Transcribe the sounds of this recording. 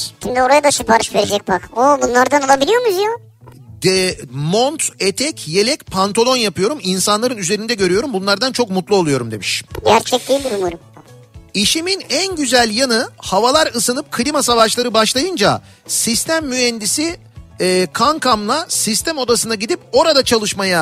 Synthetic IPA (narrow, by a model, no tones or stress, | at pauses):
ʃimd̪ioɾajad̪aʃɯpaɾɯʃve̞ɾed͡ʒɛc̚bakobunlˠaɾd̪anolˠabilʲijo̞ɾmuzjo | d̪ɛmont̪et̪ʰɛcje̞lʲɛcpʰant̪ʰolʲˠo̞njapɯjo̞ɾuminsanlˠaɾɯnyze̞ɾind̪ɛɟø̞ɾyjo̞ɾumbunlˠaɾd̪ant͡ʃʰo̞kmut̪lˠuo̞lˠujo̞ɾumd̪e̞̰miʃɟæɾt͡ʃʰɛc̚d̪id̪iɾumuɾum | iʃiminænɟyzælʲjanɯhavalˠaɾɯsɯnɯp̚kʰlʲimasavaʃlˠaɾɯbaʃlˠajɯnd͡ʒa | sist̪ʰæmːyɛnd̪isiː | kʰaŋkʰamlˠasist̪ʰæmo̞d̪asɯnaɟid̪ip̚o̞ɾad̪at͡ʃʰalˠɯʃmaja